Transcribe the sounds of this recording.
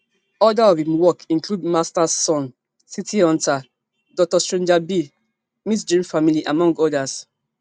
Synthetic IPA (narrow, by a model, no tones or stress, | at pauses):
ɔdaɔvĩmwɔkĩŋkludmastasːɔ̃n | sitʰiɔ̃nta | dɔk̚tastɹẽnd͡ʒabi | misd͡ʒɹĩmfamiliʔamɔ̃ŋɡɔdas